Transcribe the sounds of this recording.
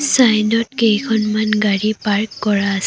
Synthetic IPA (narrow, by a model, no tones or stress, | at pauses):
sajnɔtkejkʰɔnmanɡaɹipaɹkːɔɹaːs